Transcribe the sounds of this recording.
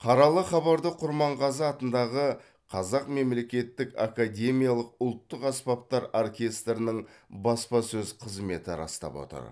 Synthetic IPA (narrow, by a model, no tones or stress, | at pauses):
qʰɑɾɑlˠəχɑβɑɾd̪əqʰʊɾmɑɴʁɑzɑt̪ənd̪ɑʁə | qʰɑzɑqme̞mle̞kʲe̞t̪ːɪka̰kad̪ʲe̞mijalˠəq̚ʊlˠt̪ːəqɑspɑp̚t̪ɑɾorkʲe̞st̪ɾɪnɪɴbɑspɑsɵzqʰəzme̞t̪ɪɾɑ̰st̪ɑ̰pwo̰t̪ə̰ɾ